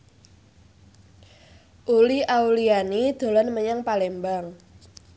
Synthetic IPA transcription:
ʔuliʔaulianid̪̥o̤lɔnməɲaŋpalɛmbaŋ

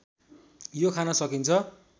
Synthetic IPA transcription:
jokʰanʌsʌkint͡sʰʌ

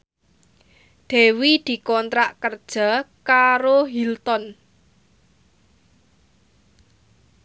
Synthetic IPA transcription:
d̪̥e̤wid̪̥i̤kɔnt̪ɾaʔkərd̥ʒ̥a̤kaɾoɦilt̪ɔn

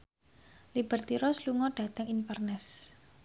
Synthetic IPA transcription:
libərt̪iɾɔsluŋɔɖ̥ä̤t̪əŋinfərnɛs

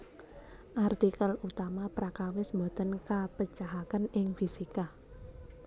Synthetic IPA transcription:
ʔart̪ikəlut̪amapɾakawɪsmbot̪ənkapət͡ʃaɦakanɪŋfisika

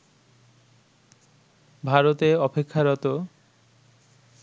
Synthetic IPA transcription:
bʱaɾot̪eɔpekʰːaɾɔt̪o

